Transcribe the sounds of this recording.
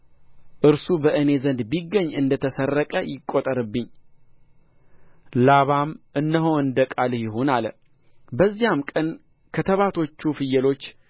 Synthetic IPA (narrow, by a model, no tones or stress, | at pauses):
ʔɨɾsubəʔɨne̞zənd̪biɡːəɲːɨnd̪ət̪ʰəsərːəkʼəjɪkʼːot̪ʼəɾɨbːɨɲː | laβamʔɨnːəɦowɨnd̪əkʼaljɪɦonal | bəzːijamkʼən | kʰət̪ʰəβat̪ʰo̞t͡ʃːufɨjɛlo̞t͡ʃː